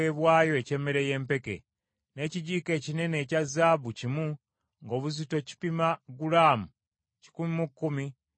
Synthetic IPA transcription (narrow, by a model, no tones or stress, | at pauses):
eːβwaːjo̞ece̞ːmeɾe̞je̞ːmpe̞ke̞̰ | ne̞ːciɟiːke̞ːcine̞ne̞ːcazaːβucimu | ŋɡo̞ːβuzito̞ci̥pimaɡulaːmu | ci̥kumimukːumi